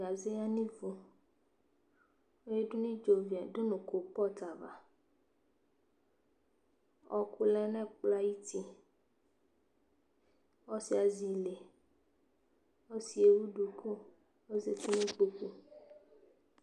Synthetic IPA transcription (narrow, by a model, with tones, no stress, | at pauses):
a˨ze˦a˦nĩ˦vo˨ | o˦je˦ɖu˦nĩ˦d͡ʒo˨vi˨a˨ɖo˦nũ˨ko˨k͡pɔ˦t̪a˨va̰˨ | ɔ˨ku˦lɛ˦nɛ̃˦k͡pla˦ji˦t̪i˦ | wɔ˦si˦a˨zi˨le˨ | wo˦si˨e˨wu˦ɖu˨kʰo˦ | wo˦ze˨t̪i˦nĩ˦k͡po˦k͡pu˦